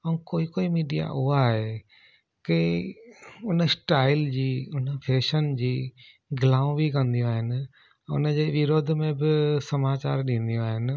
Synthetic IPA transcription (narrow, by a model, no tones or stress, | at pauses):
ɐũkoːikoːimiːɖija̰ʔʊaɦe | ke | ʊnə̆sʈaːɪld͡ʑiːʊnəpʰeːʃənd͡ʑiː | ɡɪlãːũbikɐ̃nd̪ijõaːɦɪnɪ̆̃ | ʊ̰nəd͡ʑeːʋɪɾoːd̪ʱmẽbɪsɐmaːt͡ɕa̰ːɾɗĩːn̆d̪ijõaːɦɪnɪ̆